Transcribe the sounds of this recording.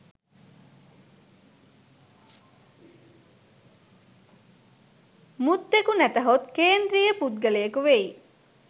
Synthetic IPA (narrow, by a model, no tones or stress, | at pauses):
mut̪ːekunæt̪ɐɦot̪keːnd̪ɾijəpud̪̚ɡəlejəkuʋei